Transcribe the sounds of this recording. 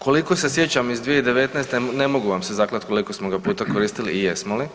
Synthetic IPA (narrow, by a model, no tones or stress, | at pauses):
kʰo̞liko̞se̞sjet͡ɕamizd̪ʋijeid̪e̞ʋe̞t̪najst̪nemoɡuʋamsezaklˠat̪ko̞lˠiko̞smo̞ɡapuːt̪akoɾiːst̪iliːjesmoli